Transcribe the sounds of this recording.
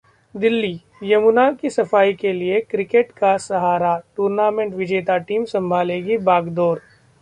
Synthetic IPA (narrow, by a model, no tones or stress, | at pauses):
d̪ɪlːi | jɐmʊnakisɐfaːikeliekɾɪkeʈkasɐɦaːɾaʈuːɾnaːmẽɳʈʋɪd͡ʒeːt̪aʈiːmsɐ̃mbʱaːleːɡibaːɡd̪oːɾ